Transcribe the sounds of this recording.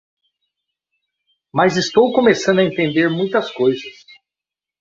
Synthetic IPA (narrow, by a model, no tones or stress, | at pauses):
mɐzɪst̪owkomesɐ̃nd̪ɐẽnt̪ẽnd̪eɾmũj̃t̪ɐskojzɐs